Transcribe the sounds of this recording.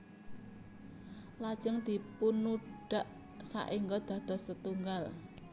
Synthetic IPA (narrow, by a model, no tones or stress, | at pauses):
lad̥ʒ̥əŋd̪̥i̤punuɖ̥a̤ʔ | sa̰ʔiŋɡɔd̪̥a̤d̪̥ɔ̤sət̪uŋɡal